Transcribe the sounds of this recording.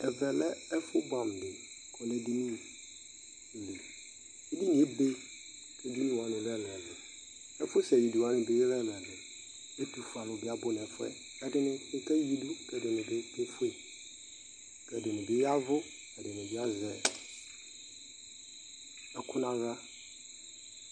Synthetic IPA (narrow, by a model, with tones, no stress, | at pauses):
ɛ˨vɛ˨lɛ˦ɛ˦fʊ˦bã˨m˨dɪ˨ | kʰɔ˨nɛ˦di˦nũ˦˨ | li˨ | ɛ˦di˦nɪ̃˨˦e˦be˦ | kʰɛ˦di˦nũ˦˨ɔ̃˨nɪ̃˨lɛ˦lɛ˨bɪ˨ | ɛ˦fʊ˦sɛ˨ji˨du˨a˨˦nɪ̃˨be˦ɾɛ˦m˨ɛ˨bɪ˨ | e˦du˨fã˨nʊ̃˨bɪ˦a˨bʊ˦n˨ɛ̃˨fʊ˦ɛ̰˦ | ɛ˦dɪ˦nɪ̃˦ɪ˦kʰɛ˦ji˦du˦kɛ˨dʊ˨nɪ̃˨bɪ˦be˦fe˨ | kɛ˨dʊ˨nɪ̃˨bɪ˦ja˦vʊ˦ | ɛ˨dɪ˨nɪ̃˨bɪ˦a˦zɛ˨ | ɛ˨kʰʊ˦nã˦ɣa˦